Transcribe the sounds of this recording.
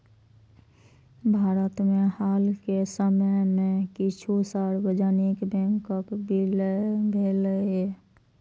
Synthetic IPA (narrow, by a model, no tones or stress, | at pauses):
bʱaːɾət̪mẽhaːlkesəməjmẽkɪt͡ʃʰusaɾbəd͡ʒaːnikbɛ̃ŋkəkbilbʱele